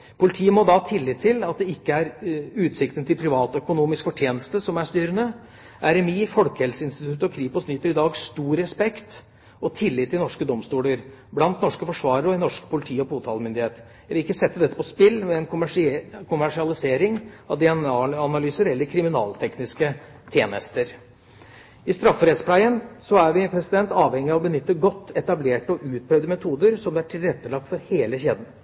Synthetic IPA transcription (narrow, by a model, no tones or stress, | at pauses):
pʰʊlɪt̪ʰiːəmɔd̪ɑt̪ʰɪlːɪt̪ʰːɪlɑt̪̚d̪ɛɪkːəæɾʉːt̪sɪkt̪ənt̪ʰɪlpʰɾɪʋɑːt̪ɔœkʊnuːmɪskfɔʈʰjeːnəst̪əsɔmæʂt̪yːɾənə | ʔæɾɛmiːfɔlkəhɛlsəɪnst̪ɪt̪ʰʉt̪ːɔkʰɾiːpɔsnyːt̪ːəɾɪd̪ɑːɡst̪uːɾɛspɛkt̪ | ɔt̪ʰɪlːɪt̪ʰːɪlnɔʂkəd̪ɔmst̪uːləɾ | blɑnt̪nɔʂkəfɔʂʋɑːɾəɾəɔɛnɔʂkpʰʊlɪt̪ʰiːɔpuːt̪ʰɑːlmʏnd̪ɪheːt̪ | jæɪʋɪlɪkːəsɛt̪ːəd̪ɛt̪ːə̥pʰɔspɪlːmɛɛnkʰʊmʂkʰʊmæʂɪɑlɪseːɾɪŋ | ɑʋd̪ɪɛnɑnɑlyːsəɾɛlːəɾkʰɾɪmɪnɑ̰ːlt̪ʰɛknɪskə | t̪ʰjeːnəst̪əɾ | ɪst̪ɾɑfːəɾɛt̪spʰlæɪənsɔæɾʋɪpʰɾɛsɪd̪ɛnt̪ɑːʋhɛŋːɪɑʋɔbənʏt̪ːəɡɔt̪ːɛt̪ɑbleːʈəɔʔʉːt̪̚pʰɾœʋd̪əmɛt̪ʰuːd̪əɾsɔmd̪ɛæʈʰɪlɾɛt̪ːəlɑk̚t̪fɔɾheːləçeːd̪n̩